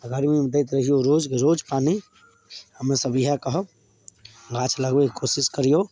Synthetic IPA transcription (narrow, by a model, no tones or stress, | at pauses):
ɡəɾmimed̪eɪt̪ɾəɦijoɾod͡ʒkɾod͡ʒpani | həmesəbiɦakəɦə | ɡʱat͡ʃʰləɡbekkosiskəɾjo